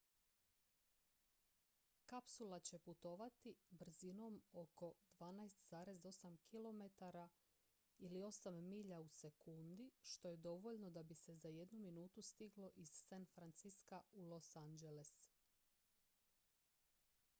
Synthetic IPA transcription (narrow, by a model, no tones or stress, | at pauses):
kapsulˠat͡ɕe̞put̪o̞ʋat̪ibr̩zino̞mo̞ko̞d̪ʋaːnajst̪z̥aːɾe̞zd̪o̞samkʰilˠo̞me̞t̪aɾa | ilio̞samːiʎause̞kund̪iʃt̪o̞je̞d̪o̞ʋo̞ʎno̞d̪abise̞zaje̞d̪numinuːt̪ust̪iɡlo̞ʔiz̥ːanfɾant̪siskaulo̞sand͡ʒele̞s